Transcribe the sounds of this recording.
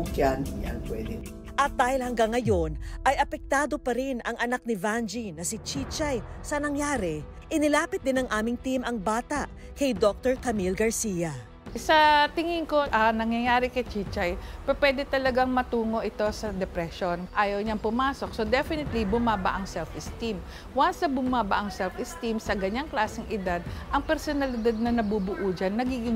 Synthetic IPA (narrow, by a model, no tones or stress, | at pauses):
ʊkjanɲa̰npwɛ̰d̪ɛ | ʔɐt̪̚d̪aːhɪlhɐŋɡaŋːɐjo̞nʔɐjʔɐpɛk̚t̪aːd̪o̞pɐɾɪnɐŋʔɐnak̚nɪvand͡ʒinɐsit͡ʃit͡ʃajsɐnɐŋjaːɾɛʔɪnɪlaːpɪt̪̚d̪ɪnɐŋʔaːmɪŋt̪imʔɐŋbaːt̪aʔ | kɐjd̪ok̚t̪oɹkɐmilɡɐɹsiːjɐ | sɐt̪ɪŋɪŋko̞ʔɐnɐŋjɐjaːɾɪkɐjt͡ʃiːt͡ʃɐjpɛpwɛːd̪ɛt̪ɐlɐɡaŋmɐt̪uːŋo̞ʔɪt̪o̞sɐd̪ɛpɾɛʃo̞nʔaːjɐwɲɐŋpʊmaːso̞k̚so̞d̪ɛfɪnɪt̪libʊmaːbɐ̰ʔɐŋsɛlfʔɪst̪im | wansɐbʊmaːbɐʔɐŋsɛlfɪst̪imsɐɡɐɲaŋklaːsɪŋʔɪd̪ad̪̚ʔɐŋpɛɾsonɐlɪd̪ad̪̚nɐnɐbubʊʔuːd͡ʒanːɐɡiːɡɪŋ